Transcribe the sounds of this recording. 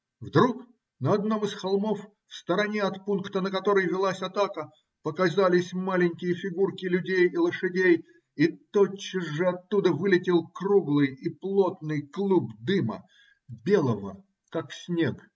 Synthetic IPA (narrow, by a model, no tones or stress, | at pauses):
vd̪ɾuk | nəɐd̪no̞mɨsxɐlˠmo̞f | fst̪əɾɐnʲeɐt̪punkt̪ənəkɐt̪o̞ɾəjvʲɪlˠasʲɐt̪akə | pəkazalʲɪsʲmalʲɪnʲkʲɪjəfʲɪɡurkʲɪlʲʉdʲejɪlˠəʂɨdʲej | it̪ot͡ɕːɪzʐɨɐt̪ːud̪əvɨlʲɪtʲɪlˠkruɡlˠɨjiplˠo̞t̪̚nɨjklˠubd̪ɨmə̰ | bʲe̞lˠəvə̰ | kaksʲnʲek